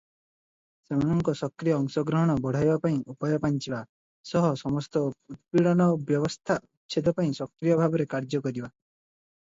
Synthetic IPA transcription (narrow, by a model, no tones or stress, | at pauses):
semanɔŋkɔsɔkɾijɔːŋsɔɡɾɔɦɔɽ̃ɔbɔɽ̤ajbapaĩʔupɔjɔpant͡ʃiba | sɔɦɔsɔmɔst̪ɔut̪̚piɽɔnɔbjɔβɔst̪ʰaʔuʃʰed̪ɔpaĩsɔkɾijɔbʱabɔɾekaɾd͡ʒɔkɔɾiba